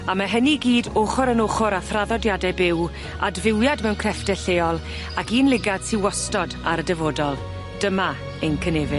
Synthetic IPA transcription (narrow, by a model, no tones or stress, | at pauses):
amaɦɛniɡiːdoχʊɾənoχʊɾaθraðɔdjadɛbɪw | a̰dvɪwjadmɛwnkʰrɛfd̥ɛɬeːɔlˠ | akiːnlˠɪɡad̥tʰiwɔstɔdaɾədɛvoːdɔlˠ | d̥əma | ənkʰənevɪ